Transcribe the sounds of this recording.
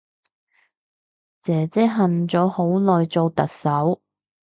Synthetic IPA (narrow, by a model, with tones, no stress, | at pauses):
t͡sɛː˨˩t͡sɛː˥ɦɐ˨nt͡sɔː˨˥ho˨˥wlɔː˨jt͡so˨˧wt̪ɐ˨k̚sɐ˨˥w